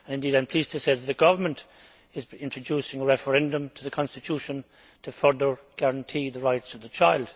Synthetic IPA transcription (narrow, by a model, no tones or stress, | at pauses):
ə̃nɨ̃ndiːdɾãɪ̃mpʰl̥iztʰɨseɪðət̪̚ðəɡʌvə˞mə̃nt | ɪzɪ̃ntɹ̥ədusɪ̃ŋəɹɛfəɹɛ̃ndə̃mtʰəðəkʰɑ̃nstɨtʰjuʃə̃n | tʰəfɜ˞ðə˞ | ɡ̥æɹə̃ntʰiðəɹaɪtsʌvðət͡ʃʰaɪlˠd̥